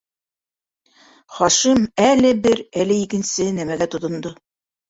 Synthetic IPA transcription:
χɒʃimælɘbɘɾælɘikɘ̆nsɘnæmæɡæt̪ŏt̪ŏnd̪o

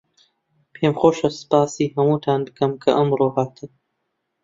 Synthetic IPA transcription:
pʰeːmxoːʃɐsɨ̥paːsiːɦɐmuːt̪ʰaːnbɨkʰɐmkʰɐʔɐmroːɦaːt̪ʰɨm

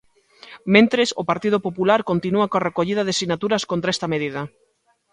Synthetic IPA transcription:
mẽnt̪ɾɪso̰paɾt̪ið̞opopulaɾkont̪inuɐkoarekoʎiðɐðesiɣnat̪uɾɐskont̪ɾaest̪ɐmeðiðɐ

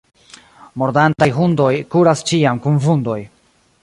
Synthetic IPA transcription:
mo̞ɾdantajɦundo̞jkuɾast͡ʃiamkunvundo̞j

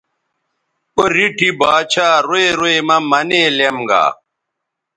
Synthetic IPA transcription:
oɾiʈʰibaːt͡ɕʰaːɾoeɾoemɐmɐneːlemɡa̰ː

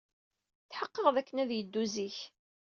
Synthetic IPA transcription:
θħəqːəʁðækːənæðjəd̪ːuziç

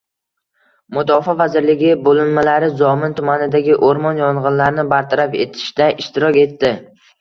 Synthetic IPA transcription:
mʊd̪ɒfɒvazɪɾlɪɡʲɪbolɪnmalaɾɪzɒmɪnt̪ʰʊmanɪd̪aɡʲɪʔoɾmɒnjɒɴʁɨnlaɾnɪbaɾt̪ʰaɾafe̞̰t̪ʰɪ̥ʃd̪aʔɪʃt̪ɪɾɒkʲe̞t̪ːɪ

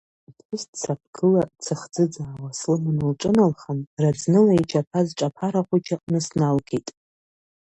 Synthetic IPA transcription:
pʷɨst͡sʰapʰɡʰɨlat͡sʰɨχd͡zɨd͡zaːwaslɨmanɨlʈ͡ʂʼɨnalχanrad͡znɨlajit͡ʃʷʰapʰazʈ͡ʂʼapʰaɾaχʷut͡ʃʰaqʼnɨsnalkʰejtʼ

